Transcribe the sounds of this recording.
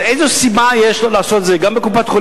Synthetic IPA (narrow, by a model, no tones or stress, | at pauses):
ejzesimajeʃlolaːso̞t̪zeɡambekupat̪χo